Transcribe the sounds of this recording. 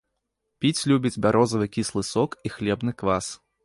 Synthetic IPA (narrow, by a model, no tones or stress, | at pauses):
pʲit͡sʲlʲubʲid͡zʲbʲaɾʔɔzɐvɨkʲislˠɨsɔkixlʲɛbnɨkvas